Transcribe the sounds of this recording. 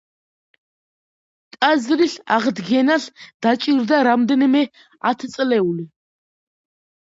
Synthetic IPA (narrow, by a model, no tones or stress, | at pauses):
t̪ʼazɾiɬa̰ʁd̪ɡɛnaɬd̪̥at͡ʃʼiɾd̪aɾamd̪ɛnimɛ | a̰t̪ʰt͡sʼlɛuli